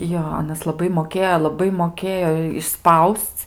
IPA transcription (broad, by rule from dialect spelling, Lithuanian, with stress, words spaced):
ˈjoː ˈɑːnɐs lˠɐˈbɐɪ moːˈkʲeːjoː lˠɐˈbɐɪ moːˈkʲeːjoː ɪʃˈspɐʊst͡s